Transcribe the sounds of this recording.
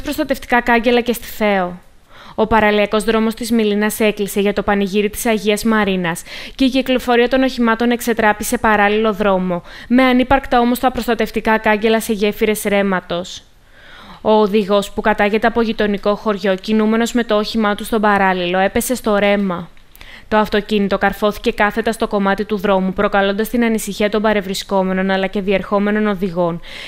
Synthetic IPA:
pɾo̞st̪ɐt̪e̞ft̪i̥kɐkɐɲɟe̞lɐce̞st̪i̥θe̞o̞ | opɐɾɐliɐko̞zðɾo̞mo̞st̪izmilinɐse̞klise̞ʝɐt̪o̞pɐniʝiɾit̪i̥sɐʝiɐzmɐɾinɐsce̞iciklo̞fo̞ɾiɐt̪o̞noçimɐt̪o̞ne̞kse̞t̪ɾɐpise̞pɐɾɐlilo̞ðɾo̞mo̞me̞ɐnipɐɾkt̪ɐo̞mo̞st̪ɐpɾo̞st̪ɐt̪e̞ft̪ikɐkɐɲɟe̞lɐse̞ʝe̞fiɾe̞sɾe̞mɐt̪o̞s | o̞ːðiɣo̞spukɐt̪ɐʝe̞t̪eɐpo̞ʝit̪o̞niko̞xo̞ɾʝo̞cinume̞no̞zme̞t̪o̞oçimɐt̪ust̪o̞bɐɾɐlilo̞e̞pe̞se̞st̪o̞ɾe̞mɐ | t̪o̞ɐft̪o̞cinit̪o̞kɐɾfo̞θi̥ce̞kɐθe̞t̪ɐst̪o̞ko̞mɐt̪it̪uðɾo̞mupɾo̞kɐlo̞nd̪ɐst̪inɐnisiçiɐt̪o̞mbɐɾe̞vɾisko̞me̞no̞nɐlɐce̞ðie̞ɾxo̞me̞no̞no̞ðiɣo̞n

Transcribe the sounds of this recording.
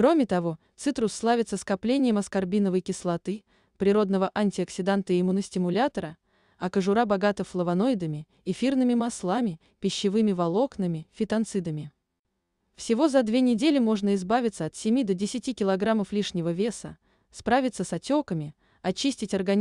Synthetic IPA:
kɾo̞mʲɪt̪ɐvo̞t̪sɨt̪ɾʊsːlˠavʲɪt̪səskɐplʲenʲɪjəmɐskɐrbʲinəvəjkʲɪslˠɐt̪ɨ | pɾʲɪɾo̞d̪nəvəʔanʲtʲɪɐksʲɪd̪ant̪əɪɪmunəsʲtʲɪmʊlʲat̪əɾə | ɐkəʐʊɾabɐɡat̪əfflˠəvɐno̞ɪd̪əmʲɪ | ifʲirnɨmʲɪmaslˠamʲɪ | pʲɪɕːɪvɨmʲɪvɐlˠo̞knɨmʲɪfʲɪt̪ɐnt̪sɨd̪əmʲɪ | fsʲɪvo̞zɐd̪vʲe̞nʲɪdʲelʲɪmo̞ʐnəɪzbavʲɪt̪səɐt̪sʲɪmʲid̪ədʲɪsʲɪtʲikʲɪlˠɐɡɾaməflʲiʂnʲɪvəvʲe̞sə̰ | spɾavʲɪt̪səsɐtʲo̞kəmʲɪ | ɐt͡ɕisʲtʲɪtʲɐrɡɐ

